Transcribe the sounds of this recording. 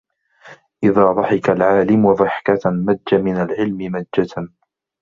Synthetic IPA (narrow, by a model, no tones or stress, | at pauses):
ʔɪðaːd̪ˤɑħɪkalʕaːlɪmwɑðˤɑħkamaːamɪnalʕɪlmɪmad͡ʒːa